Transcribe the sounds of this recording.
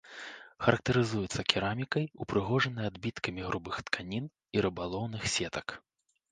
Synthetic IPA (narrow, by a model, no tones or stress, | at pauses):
xɐɾɐk̚t̪ɐɾɨzujɛt̪sːɐkʲiɾamʲikɐjupɾɨɣɔʐɐnɐjad̪bʲit̪kɐmʲiɣɾʔubɨxt̪kʰanʲin | iɾɨbalˠɔwnɨxsʲɛt̪ɐk